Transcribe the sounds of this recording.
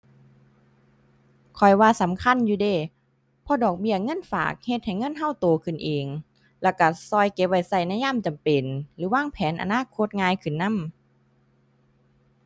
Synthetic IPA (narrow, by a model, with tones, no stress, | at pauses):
kʰɔ˨˩jwaː˧sa˨˦mkʰa˧˥˨njuː˧deː˧˩ | pʰɔ˧˥dɔː˨˩k̚bi˧˩əŋɤ˧˥˨nfa̰ː˨˩k̚he˧t̪̚ha˨˩jŋɤ˧˥˨nɦa˧˩˨wt̪oː˨˩kʰɯ˨˩˨nʔeː˨ŋ | lɛː˧˩wka˧˩sɔː˧˩jke˧p̚ʋa˧˩jsa˧˩jna˧˥˨jaː˧˥˨mt͡ɕa˨mpe˨nlɯː˨˦waː˧˥˨ŋpʰɛː˨˦nʔa̰˨˧naː˧˥˨kʰo˧˥˦t̪̚ŋaː˧jkʰɯ˨˩nːa˧˥˨m